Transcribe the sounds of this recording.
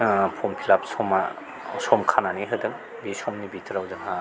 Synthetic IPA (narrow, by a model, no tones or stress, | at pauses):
pʰɔmpʰilap̚sɔma | sɔmkʰananiɦɯdɯŋ | bisɔmnibitʰɾawdɯŋa